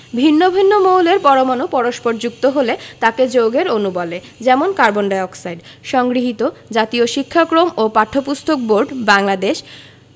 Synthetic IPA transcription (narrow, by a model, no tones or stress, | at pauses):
bʱinːobʱinːomowleɾpɔɾomanopɔɾoʃpoɾd͡ʑuk̚t̪oɦolet̪aked͡ʑoɡeɾonubɔle | d͡ʑɛmonkaɾboɳɖaɔksajɖ | ʃɔŋɡɾiɦit̪od͡ʑat̪ioʃikʰːakɾomopaʈʰːopust̪ʰok̚boɾɖbaŋlad̪eʃ